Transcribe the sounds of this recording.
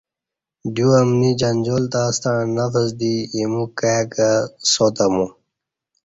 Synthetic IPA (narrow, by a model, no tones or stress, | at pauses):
d̪juɐmnid͡ʑɐnd͡ʑoːlt̪ast̪aɳnɐfəsd̪iemukajakasoːt̪amu